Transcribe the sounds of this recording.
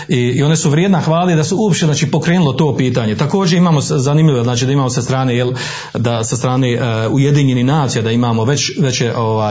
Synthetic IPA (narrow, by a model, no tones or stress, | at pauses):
iio̞nesuʋɾjeːd̪naxʋaːled̪asuuopʃt̪enaːt͡ʃipo̞kɾeːnulo̞t̪o̞ːpiːt̪aːɲet̪ako̞ːd͡ʒeimaːmoszanimʎiʋeznaːt͡ʃiːd̪aimaːmosast̪ɾaːnejel | d̪asast̪ɾaːne̞ujed̪iːɲenihnaːt̪sijad̪aimaːmo̞ʋe̞t͡ʃʋe̞t͡ɕeʔoʋaːj